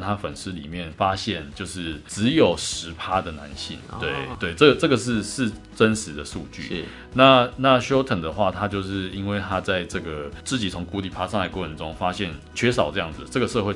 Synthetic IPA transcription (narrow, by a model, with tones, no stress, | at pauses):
t̪ʰa˦fə˨˩nʂ̩˥lḭ˨˩mjɛ˥˩nfa˥ɕjɛ˥˩nt͡ɕjo˥˧ʊʂɻ̩˥˩ʈ͡ʂɻ̩˧˦jo˨˩ʊʂɻ̩˧˥pʰa˦d̪ə˨na̰˧˦nɕḭ˥˩ŋt̪we˥˩ɪt̪we˥˩ɪʈ͡ʂə˥˩ɡə˩ʈ͡ʂɤ˥˩ɡə˨˩ʂ̬ɻ̩˥˧ʂɻ̩˥˩ | ʈ͡ʂə˦˥nʂɻ̩˧˥d̪ə˨ʂṵ˥˧t͡ɕy̰˥˨ | na˥˨na˥˨ɕjo˥ʊt̪ʰə˨˩ŋd̪ə˨xwa˥˨t̪ʰa˦t͡ɕjo˥˧ʊʂɻ̩˥˩i˥nwe˥˩ɪt̪ʰa˥t͡sa˥˧ɪʈ͡ʂɤ˥˩ɡə˩t͡sɹ̩˥˩t͡ɕi˨˩t͡sʰo˧˥ŋku˧˥li˨˩pʰa˥ʂa˥˧ŋt͡sa˥˩ɪwə˧˦nʈ͡ʂʊ˦ŋfa˦˥ɕjɛ˥˩nt͡ɕʰɥɛ˥ʂ̬ɑ˨˩ʊʈ͡ʂɤ˥˧jɑ˥˩ŋd͡z̩˨˩ʈ͡ʂɤ˥˩ɡə˩ʂɤ˥˧xwe˥˩ɪ